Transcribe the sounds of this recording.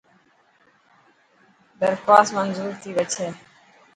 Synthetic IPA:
bəɾkaːsmənzuːɾt̪ʰiːʋət͡ʃʰeː

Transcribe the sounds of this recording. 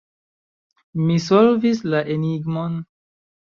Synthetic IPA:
misolvislaʔeniɡmon

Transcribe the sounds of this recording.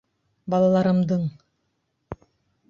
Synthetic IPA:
bɑlˠɑlˠɑɾɤ̆md̪ɤɴ

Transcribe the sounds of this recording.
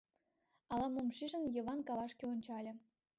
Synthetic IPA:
ɑlɑmomʃiʒə̆njɤ̆βɑnkɑβɑʃkʲeonʲt͡ɕɑlʲɤ̆

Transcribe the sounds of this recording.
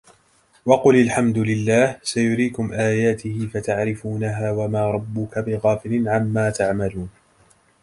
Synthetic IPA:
wɑqʊlɪlħamd̪ʊlɪlːaːhsajʊɾiːkʊmʔaːjaːt̪ɪhɪfat̪aʕɾɪfuːnaɦaːwamaːɾˤɑbːʊkabɪɣɑːfɪlɪnʕamːaːt̪aʕmaluːn

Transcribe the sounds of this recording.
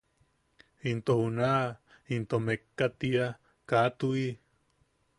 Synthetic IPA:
int̪ohunaʔ | int̪omekːat̪ia | kat̪ui

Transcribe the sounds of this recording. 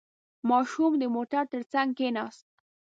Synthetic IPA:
mɑʃumd̪əmoʈaɾt̪əɾt͡saŋɡkenɑst̪̚

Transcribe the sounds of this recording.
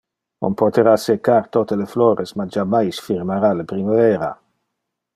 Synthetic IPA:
o̰mpot̪eɾasekːart̪ot̪elefloːɾʔesmad͡ʒamajsfirmaɾalepɾimavɛːɾa̰

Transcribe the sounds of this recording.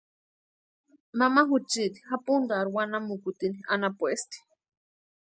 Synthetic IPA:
mamaɦut͡ʃit̪i̥hapund̪aɾwanamukut̪inianapuest̪i̥

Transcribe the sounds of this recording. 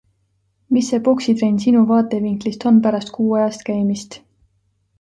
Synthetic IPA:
misːe̞po̞ksid̪ɾenʲsinuvɑːt̪ˑe̞viŋklist̪o̞npæɾɑst̪̚kuːɑjɑst̪kæjmist̪

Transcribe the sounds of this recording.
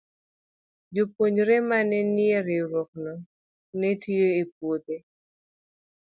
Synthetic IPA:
d͡ʒopoɲɾemanɛnɪeɾɪɾwɔk̚nɔ | netʰioep̚wod̪e

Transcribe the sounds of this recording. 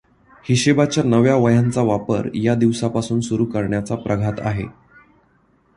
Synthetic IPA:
hiɕebat͡ɕjanəʋjaʋəjãnt͡saʋapə̰ɾjad̪iʋsapasuːnsuɾuːkəɾɳjat͡sapɾʔəɡʱat̪a̰ɦḛ

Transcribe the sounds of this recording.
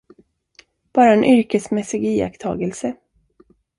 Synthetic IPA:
b̥ɑːɾaɛnʔʏɾkəsmɛsːɪɡiːa̰kt̪ʰɑ̰ːɡəlsə

